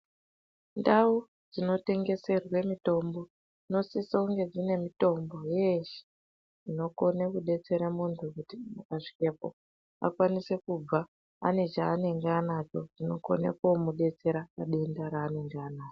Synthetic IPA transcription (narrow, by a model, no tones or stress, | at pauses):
ndawu | d͡zino̞te̞ŋɡe̞se̞rwe̞mito̞mbo̞ | no̞sisauŋɡe̞d͡zine̞mito̞mbo̞jeʃi̥ | d͡zino̞ko̞nekuɗe̞t͡se̞ɾamuntʰukutimakaʂi̥kepo̰ | a̰kwanise̞kub͡va | ane̞t͡ʃaːne̞ŋɡeanat͡ʃo̞d͡zino̞̰ko̞̰nḛkomuɗe̞t͡se̞ɾakaɗe̞ndaɾaːne̞ŋɡeanaːt͡ʃo